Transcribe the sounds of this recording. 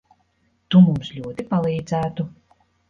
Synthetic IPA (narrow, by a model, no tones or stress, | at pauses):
t̪umumslʲuːt̪ipalˠiːd̪zæːt̪u